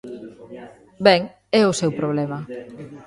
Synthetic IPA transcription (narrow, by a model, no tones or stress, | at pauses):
bɛŋ | ɛʊsewpɾoβ̞lɛmɐ